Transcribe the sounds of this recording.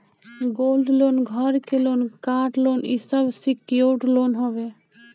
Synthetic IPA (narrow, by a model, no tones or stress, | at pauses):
ɡolɖlonɡʱɔɾkelonkaːʈlonḭsəbsikioʈlonɦɔbe